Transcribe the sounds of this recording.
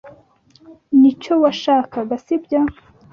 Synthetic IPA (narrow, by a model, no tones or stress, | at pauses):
nit͡ʃowaʃaːkaɡasibɟa